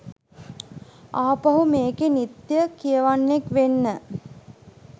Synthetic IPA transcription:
aːpɐɦumeːkenit̪jəkijəʋanːekʋenːə

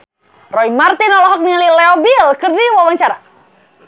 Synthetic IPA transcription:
rɔimart̪inɔlɔɦɔk̚ŋililɛɔbilkɨrdiwawaŋt͡ʃaɾa

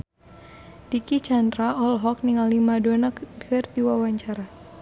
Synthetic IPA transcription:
d̥ikit͡ʃandɾaɔlɦɔk̚niŋalimadɔnəkdardiwawaɲt͡ʃaɾa

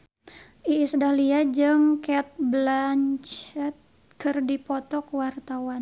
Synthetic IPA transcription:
ʔiːsdaliad͡ʒɨŋkɛt̪̚blant͡ʃɛt̪̚ | kɨrdipɔt̪ɔkwart̪awan

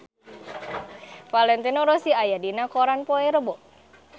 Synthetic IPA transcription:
falɛnt̪inoɾosiajadinakɔɾanpoeɾəbɔ

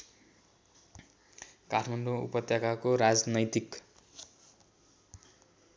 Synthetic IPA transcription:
kaʈʰmaɳɖoṵpʌt̪jakakoɾad͡znʌjt̪ik

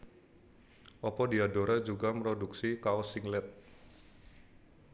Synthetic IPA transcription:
ʔɔpɔdiadoɾad͡ʒuɡaməɾoduksikaosiŋlɛt̪̚

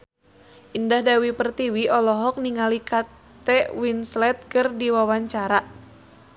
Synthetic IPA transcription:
ʔindahdawipərt̪iwiʔɔlɔɦɔk̚niŋalikat̪ɛʔwinslɛt̪̚kɨrdiwawaɲt͡ʃaɾa

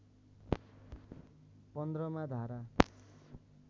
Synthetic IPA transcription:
pʌnd̪rʌmad̪ʱaɾa

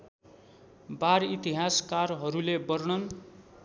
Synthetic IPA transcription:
baɾit̪iɦaskarɦʌɾulebʌɾɽʌn

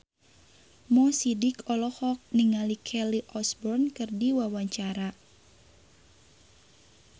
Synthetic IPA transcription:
mɔsidikɔlɔhɔk̚niŋalikʰɛliʔɔsbɔrnkɨrdiwawaɲt͡ʃaɾa

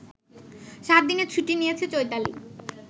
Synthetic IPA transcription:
ʃat̪̚d̪ineɾt͡ɕʰuʈinijet͡ɕʰet͡ɕojt̪alḭ

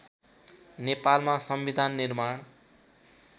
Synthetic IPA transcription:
nepalmasʌmbid̪ʱanːirmaɽ̃

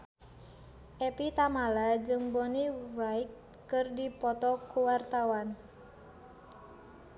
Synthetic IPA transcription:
ʔɛpit̪amalad͡ʒɨŋbɔnirajkː | ɨrdipɔt̪ɔkuwart̪awan

